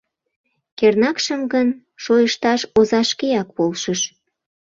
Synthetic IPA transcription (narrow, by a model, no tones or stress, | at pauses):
kernɑkʃəmɡən | ʃojəʃt̪ɑʃozɑʃkeɑkpolʃəʃ